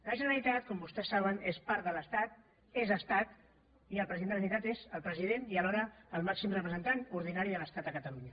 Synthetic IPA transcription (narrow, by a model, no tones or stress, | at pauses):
ləʒənəɾəlit̪at̪kɔmbust̪ɛsːaβ̞ənespaɾd̪ələst̪at̪ | ezəst̪at̪ | iəlˠpɾəziðenənit̪at̪ezəlˠpɾəziðeniəlɔɾəːlˠmaksimrəpɾəzənt̪anuɾðinaɾiələst̪at̪əkət̪əluɲə